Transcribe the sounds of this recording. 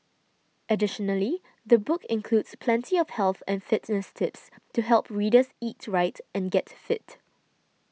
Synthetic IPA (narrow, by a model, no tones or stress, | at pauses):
ʔədɪʃɔnəli | ðəbʊkɪ̃nkʰludspʰlɛ̃ntʰiɔfhɛlˠθɛ̰̃nfɪtnəstʰɪpstuɦɛlˠpɹiːdəsitɹaɪtɛ̃nɡɛtfɪt